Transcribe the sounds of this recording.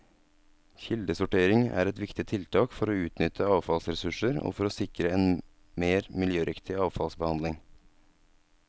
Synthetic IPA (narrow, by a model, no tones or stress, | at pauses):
çɪld̪əsʊʈeːɾɪŋæ̰ːɾɛt̪ʋɪkt̪ɪt̪ʰɪlt̪ʰɑːkfɔɾoːʉːt̪nʏt̪ʰəɑːʋfɑlsɾɛsʉʂəɾo̰ːfɔɾoːsɪkɾəeːn | meːɾmɪljøːɾʔɪkt̪ɪɑːʋfɑlsbəhɑnd̪ɪŋ